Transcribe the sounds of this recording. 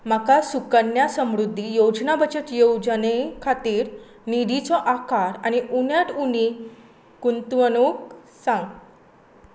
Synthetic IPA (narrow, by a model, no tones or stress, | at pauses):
makasukənjasəmɾud̪ʱːijod͡znabət͡ɕət̪jowd͡zənekʰat̪iːɾ | nid̪ʱit͡sɔʔakaɾaniʔunjaʈuni | kunt̪ʋənok̚ | sãŋɡ